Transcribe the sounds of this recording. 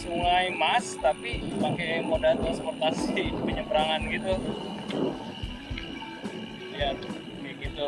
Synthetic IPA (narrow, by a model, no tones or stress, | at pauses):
suŋajmast̪apipaŋkajmodalt̪ɾansport̪asipəɲəpəɾaŋanɡit̪u | ja | iɡint̪u